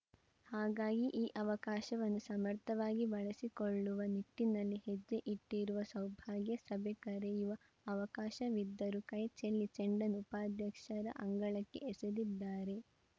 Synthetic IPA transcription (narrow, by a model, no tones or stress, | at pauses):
haːɡaːɡiʔiːʔɐʋɐkaːʃɐʋɐnːusɐmɐɾt̪ʰɐʋaːɡiʋɐɭɐsikoɭːuʋɐniʈːinɐlːihed͡ʒːeʔiʈːiɾuʋɐsɐwbʱaːɡjɐsɐbʱekɐɾejuʋɐ | ɐʋɐkaːʃɐʋid̪ːɐɾukɐjt͡ʃelːit͡ʃeɳɖɐnupaːd̪ʱjɐkʂɐɾɐ̰ʔɐŋɡɐɭɐkːe̞̰ʔesed̪id̪ːaːɾe̞